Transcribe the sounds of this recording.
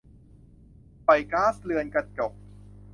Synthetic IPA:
pa˨˩jkaː˦˥˩slɯ˧ənka˧˩t̪̚t͡ɕɔ˨˩k̚

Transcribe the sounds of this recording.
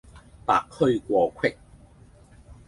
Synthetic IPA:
pa̰ː˨k̚hɵ˥˧ɥkʷɔː˧kʷʰwɪ˥k̚

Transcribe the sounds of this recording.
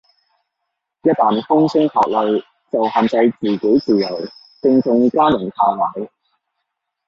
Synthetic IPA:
jɐ˥t̚t̪aː˨˩nfʊ˥ŋsɪ˥ŋk̪ʰa̰ː˨˩k̚lɵ˨ɥ | t͡sɐ˨whaː˨˧nt͡sɐ˧jt͡siː˨˩ke˨˥jt͡siː˨˩jɐ˨˩w | t͡sɪ˧ŋt͡sʊ˧ŋkaː˥jʊ˨˩nt̪ʰaː˧maː˨˥j

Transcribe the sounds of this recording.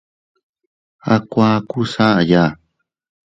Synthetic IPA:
a˧kʷã˦˧ku˦sa˦ʔa˧ja˦˨

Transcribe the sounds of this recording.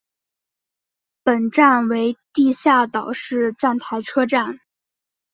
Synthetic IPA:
pə˨˩nʈ͡ʂa˥˩nwe˧˥ɪt̪i˥˧ɕja˥˩t̪ɑ˨˩ʊʂɻ̩˥˧ʈ͡ʂa˥˩nt̪ʰa˧˥ɪʈ͡ʂʰɤ˥ʈ͡ʂa˥˩n

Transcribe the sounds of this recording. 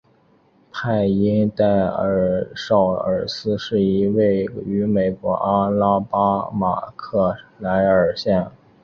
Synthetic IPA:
pʰa˥˩ɪi˥nt̪a˥˩ɪə˨˩ʂɑ˥˩ʊə̰˞˨˩sɹ̩˥ʂɻ̩˥˩i˧˥we˥˩ɪy˧˥me˨˩ɪkwɔ˧˥ʔa˥la˥pa˥ma̰˨˩kʰɤ˥˩la˧˥ɪə˞˨˩ɕjɛ˥˩n

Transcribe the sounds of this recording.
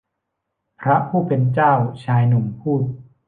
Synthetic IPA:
pʰɾa˦˥pʰuː˥˩pe˧nt͡ɕaː˥˩wt͡ɕʰaː˧jnu˩˦mpʰuː˥˩t̪̚

